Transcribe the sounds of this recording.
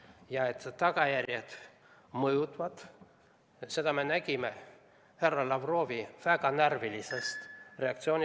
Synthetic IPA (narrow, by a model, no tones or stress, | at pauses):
jɑet̪ːt̪ːɑɡ̥ɑjærʲjed̪̥ | mɤjut̪ˑvɑd̪̥ | se̞d̪̥ɑme̞næɡ̥ʲime | he̞rːɑlɑvro̞ːviv̥æɡ̥ɑnærvilisest̪re̞ɑkt̪sioːnʲ